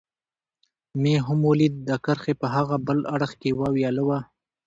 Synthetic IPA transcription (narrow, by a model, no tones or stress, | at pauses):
meɦʊmolid̪ːakəɾxepəɦaɣabəlaɽəxkewɑwjɑːləwa